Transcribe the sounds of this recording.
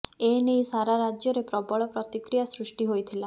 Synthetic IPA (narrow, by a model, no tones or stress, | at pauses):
enejsaɾaɾad͡ʒjɔɾepɾɔbɔɭɔpɾɔt̪ikɾijasɾusʈiɦojt̪ʰila